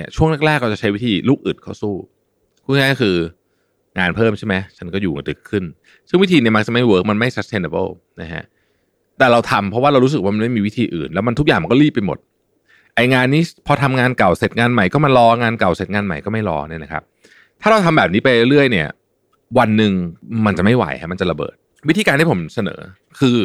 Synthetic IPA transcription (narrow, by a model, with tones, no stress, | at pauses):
i˥˩ɐt͡ɕʰu˥˩əŋna˥k̚ɾɛː˥˩k̚ɾa˧wt͡ɕa˨˩t͡ɕʰa˦˥jwi˦˥t̪ʰiː˧luː˥˩k̚ʔɯ˨˩t̪̚kʰa˥˩wsuː˥˩ | kʰuː˥˩ŋaː˥kkʰɯː˧ | ŋaː˧npʰɤː˥˩mt͡ɕʰa˥˩ma˦˥jt͡ɕʰa˦˥nkɔː˥˩juː˨˩˨dɯ˨˩kʰːɯ˥˩n | sɯ˥˩ŋwi˦˥t̪ʰiː˧ni˥˩ma˦˥t͡ɕa˩ma˥˩jwɤː˦˥k̚ma˧nma˥˩jsa˦˥st̪eː˧na˧bɤ̰˥˩ | na˦˥kʰa̰˦˥ʔ | t̪ɛː˨˩ɾa˧wt̪ʰa˧mpʰɾɔ˦waː˥˩ɾa˧wɾuː˦˥ɯ˨˩k̚waː˥ma˧nma˥˩jmiː˧wi˦˥t̪ʰiː˧ʔɯ̰ː˨˩nlɛː˦˥wma˧nt̪ʰu˥kjaː˨˩ŋma˧nkɔ˥liː˥˩pːa˧jmo˨˩t̪̚ | ʔa˧jŋaː˧nːiː˦˥pʰɔ˧t̪ʰa˧mŋaː˧nka˨˩wse˨˩t̪̚ŋaː˧nma˨˩jkɔː˥˩ma˧nlɔː˦˥ŋaː˧nka˨˩wse˨˩t̪̚ŋaː˧nma˨˩jkɔː˥˩ma˥˩jɾɔ̰ː˦˥ni˥˩ɐna˦kʰa̰˦˥p̚ | t̪ʰaː˥ɾa˧wt̪ʰa˧mbɛː˨p̚niː˦˥pa˧jɾɾɯ˥˩əjni˥˩ɐ | wa˧nːɯ˨˧ŋma˧nt͡ɕa˨˩ma˥˩jwa̰˨˩˦jkʰa̰˦˥˩ma˧nt͡ɕa˨˩la˧bɤ̰ː˨˩t̪̚ | wi˥t̪ʰiː˧kaː˧nt̪ʰiː˥˩o˩˦msa˧nɤ̰ː˩˦ | kʰɯː˧